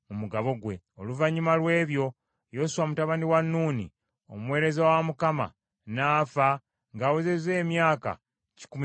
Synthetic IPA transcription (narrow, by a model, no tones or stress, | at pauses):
mumuɡaβo̞ɡwe̞̰ | oluvaɲːimalwe̞ːβjo̞ | jo̞suwamutaβaniwanːuːnḭ | o̰mwe̞ːɾe̞zawamukama̰ | naːfa | ŋɡawuzeze̞ːmjaːka̰ | ci̥kum